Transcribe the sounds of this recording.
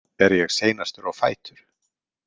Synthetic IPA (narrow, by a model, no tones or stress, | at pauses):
ɛɾjɛɣseːjnast̪ʏɾawfaːjt̪ʏɾ̥